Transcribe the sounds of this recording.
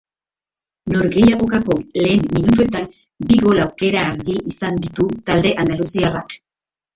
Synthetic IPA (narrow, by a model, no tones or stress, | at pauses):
no̞ɾɣe̞jaɣ̞o̞kako̞le̞ːmːinut̪̬ue̞t̪an | biɣo̞lawke̞ɾaːɾðiʔisand̪it̪ut̪ald̪e̞ʔand̪alusiarak